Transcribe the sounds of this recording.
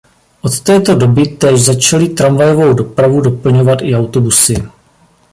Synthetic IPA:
ʔo̞t̪t̪ɛːt̪o̞do̞bɪt̪ɛːʒzat͡ʃalɪt̪ɾamvajo̞vo̞wdo̞pɾavudo̞pl̩ɲo̞vat̪ʔɪawt̪o̞busɪ

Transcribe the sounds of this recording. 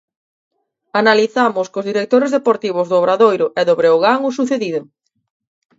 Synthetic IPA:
analiθamʊskozðiɾek̚t̪oɾezðepoɾt̪iβʊzðʊːβɾaðojɾʊʔɛðoβɾeoɣaŋʊsuθeðiðʊ

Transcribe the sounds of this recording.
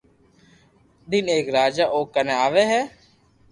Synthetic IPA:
d̪ɪneːkɾaːd͡ʒaːʔoːkəneaːʋeːɦɛː

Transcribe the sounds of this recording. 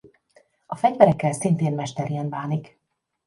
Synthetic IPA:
ɒfɛɟvɛɾɛkːɛlsint̪eːnmɛʃt̪ɛɾijɛnbaːnik

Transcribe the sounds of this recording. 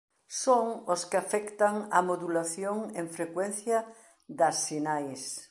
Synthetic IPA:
soŋoskɪafɛkt̪aŋɐmoðulaθjoŋeɱfɾekwenθjɐ | ðɐsːinajs

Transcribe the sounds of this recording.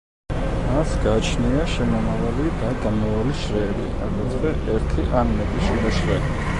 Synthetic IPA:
masɡat͡ʃʰniaʃɛmɔmavalid̪aɡ̪amɔvaliʃɾɛɾḭʔa̰ɡɔzʁɛʔɛɾt̪ʰiʔanmɛt̪ʼiʃiɾɛʃɾɛi

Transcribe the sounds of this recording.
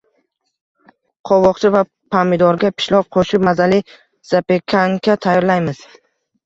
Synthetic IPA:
qʰɒwɒqt͡ʃʰɪva | pʰamɪd̪ɒɾɡʲapʰɪ̥ʃlɒp̚qʰoʃɪpmazalɪ | z̥apekʲʰaŋkʲʰat̪ʰajɒɾlajmɪz̥

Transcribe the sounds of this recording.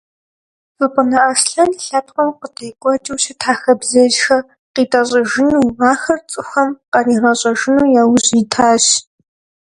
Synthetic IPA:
zɨpʼənɐʔasɬɐnɬɐp̚ʰqɐmqətʰejkʷʼɔt͡ʃʼiwʃɐtʰaːxɐbzɐʒxɐ | qiːtʼɐɕʼɐʒɪnuːaːxɐrt͡sʼɨxɐmqɐriːrɐɕʼɐʒɪnuːjaːwʑitʰaːɕ

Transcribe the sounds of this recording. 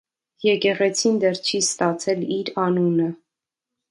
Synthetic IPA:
jɛkɛʁɛt͡sʰind̪ɛrt͡ʃʰist̪ɑt͡sʰɛliɾɑnunə

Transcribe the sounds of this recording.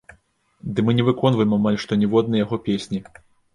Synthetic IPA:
d̪ɨmɨnʲɛvɨkɔnvɐjɛmamalʲʂt̪ɔnʲɛvɔd̪̚nɐjaɣɔpʲesʲnʲi

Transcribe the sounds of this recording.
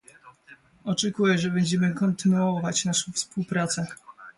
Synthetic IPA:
ɔt͡ʂɛkujɛʐɛbɛɲd͡ʑɛmɘkɔnt̪ɘnuɔvat͡ɕnaʂɔ̃w̃fspuwpɾat̪sɛ

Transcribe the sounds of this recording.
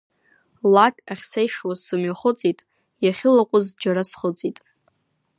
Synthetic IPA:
lakʲʼaχʲsejʂwazsɨmɥaχʊt͡sʼitʼ | jaχʲɪlaqʷʼʊzd͡ʒaɾasχʊt͡sʼitʼ

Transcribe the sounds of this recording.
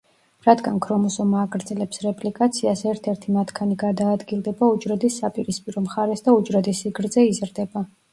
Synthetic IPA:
ɾad̪ɡankʰɾɔmɔsɔmaːɡɾd̪zɛlɛpsɾɛpʼlikʼat̪sʰiasɛɾt̪ʰɛɾt̪ʰimat̪ʰkʰaniɡaɾd̪aːd̪ɡilˠd̪ɛbaut͡ʃʼɾɔd̪isːapʼiɾispʼiɾɔmχaɾɛsd̪aut͡ʃʼɾɔd̪isiɡɾd̪zɛizɾd̪ɛba

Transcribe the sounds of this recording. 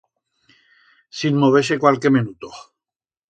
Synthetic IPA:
sinmoβ̞es̬ekwalkemenut̪o

